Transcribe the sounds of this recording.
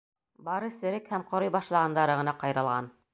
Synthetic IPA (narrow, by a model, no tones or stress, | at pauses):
bɑɾɤsɘ̆ɾɘkhæmqŏɾojbɑʃlˠɑʁɑnd̪ɑɾɤʁɤ̆nɑqɑjɾɤ̆lˠʁɑ̰n